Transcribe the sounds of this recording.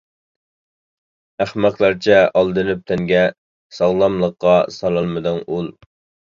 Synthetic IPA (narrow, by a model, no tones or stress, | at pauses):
æχmæqlˠɑɾt͡ʃʰɛɑlˠd̪ɨlyp̚t̪ʰɛŋɡʲɛ | sɑʁlˠɑmlˠəqːɑsɑlˠɑlˠmɨd̪ɪnulˠ